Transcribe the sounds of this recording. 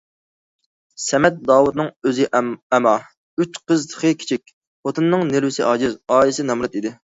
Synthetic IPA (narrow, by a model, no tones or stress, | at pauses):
sɛmɛt̪̚d̪ɑːwud̪̚nɨŋøzɪɛmɑ | yt͡ʃqəzt̪ʰə̥χʰəkʲʰi̥t͡ʃʰik̚ʲ | ot̪ʰɨnːɨŋnelwɪsɪʔɑːd͡ʒɪzɑːjɪsɪnɛmɾɑt̪id̪ɪ